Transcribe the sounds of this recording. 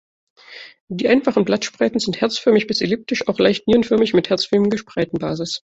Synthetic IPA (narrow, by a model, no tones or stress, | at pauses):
d̥iːʔaɪnfaχən̩blatʃpʁ̥aɪtn̩zɪnthɛɐt͡sfœɐmɪçb̥ɪselɪp̚tɪʃaʊxlaɪçtniːənfœɐmɪçmɪthɛɐt͡sfɪlmŋɡəʃpʁ̥aɪtn̩baːzɪs